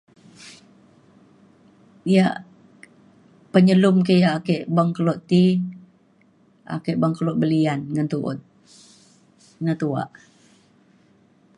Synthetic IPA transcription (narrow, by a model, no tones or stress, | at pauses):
ijaʔ | pəɲəlumkejaakeʔbaŋkəloʔt̪i | a̰keʔbaŋkəloʔbəlianŋənt̪uʔʊ̰t̪̚ | nət̪ua̰ʔ